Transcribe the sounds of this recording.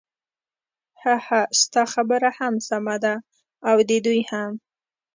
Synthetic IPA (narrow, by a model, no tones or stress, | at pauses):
hahast̪ɑxabəɾahamsamad̪aː | wd̪ed̪ujham